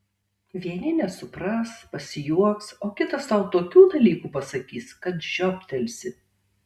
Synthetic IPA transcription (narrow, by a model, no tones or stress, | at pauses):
ʋʲiɛnʲɪnʲɛsʊpɾɐspɐsʲɪjuɔksoːkʲɪt̪ɐsɐʊt̪oːkʲuːd̪ɐlʲiːkuːpɐsɐkʲiːskɐt̪ʒʲɔːpʲt̪ʲɛlʲsʲɪ